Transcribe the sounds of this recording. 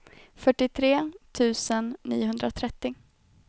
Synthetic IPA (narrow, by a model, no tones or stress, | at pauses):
fœʈːɪt̪ʰɾeːt̪ʰʉ̟ːsənːḭːʊɦɵnd̪ɾat̪ʰɾɛt̪ːɪ